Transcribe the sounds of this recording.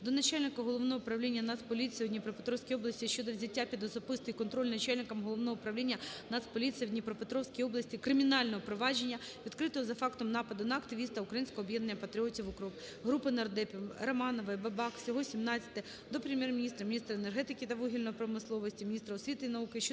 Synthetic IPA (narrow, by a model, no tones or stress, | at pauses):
d̪ɔnɐt͡ʃalʲnɪkɐɦɔlˠɔʋnɔɦɔpɾɐwlʲinʲːɐnat̪spɔlʲit̪sjɐd̪ʲnʲipɾɔpet̪ɾɔwsʲkʲijɔblˠɐsʲtʲiʃt͡ʃɔd̪ɔʋzʲɐtʲːapʲid̪ɔzɔpɪst̪ɔjikɔnt̪ɾɔlʲnɐt͡ʃalʲnɪkɐmɦɔlˠɔʋnɔɦɔpɾɐwlʲinʲːɐnat̪spɔlʲit̪sɨjɐwd̪ʲnʲipɾɔpet̪ɾɔwsʲkijɔblˠɐsʲtʲikɾɪmʲinɑlʲnɔɦɔpɾɔʋɑd͡ʒenʲːɐ | ʋʲid̪kɾɪt̪ɔɦɔzɐfɑkt̪ɔmnɑpɐd̪ʊnɐːkt̪ɪʋʲist̪ɐʊukɾɐjinsʲkɔɦɔːbjɛd̪nenʲːɐpɐt̪ɾʲiɔtʲiwʊkɔ | ɦɾupɪnɐrd̪ɛpʲrɐmɑnɔʋɐbɐbɑksʲɔɦɔsʲimnɑt͡sʲɐ̥t̪ɪ | d̪ɔpɾemjɛrmʲinʲist̪ɾɐmʲnʲist̪ɾɐenerɦɛt̪ɪkʲɪt̪ɐʋɔɦʲilʲnɔjipɾɔmɪslˠɔʋɔsʲtʲimʲinʲist̪ɾɐɔsʋʲit̪ɪinɐukɪʃt͡ʃ